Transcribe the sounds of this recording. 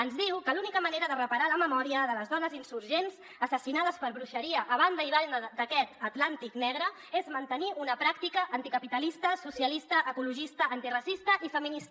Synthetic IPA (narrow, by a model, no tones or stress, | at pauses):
ənzðiwkəlunikəməneɾəðərəpəɾaləməmɔɾiəðələzðɔnəzinsuɾʒenz | əsəsinað̞əspəɾβɾuʃəɾiəʔːβ̞and̪əiβaəd̪əkɛt̪ət̪lant̪iknɛɣɾə | ezmənt̪əniʔunəpɾak̚t̪ikəʔənt̪ikəpit̪əlist̪əsusijəlist̪əʔəkuluʒist̪əːnt̪irəsist̪əʔifəminist̪ə